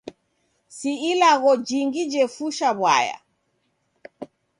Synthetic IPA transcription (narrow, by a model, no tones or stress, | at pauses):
siilaɣɔd͡ʒiŋɡid͡ʒɛfuʃaβwa̰ja̰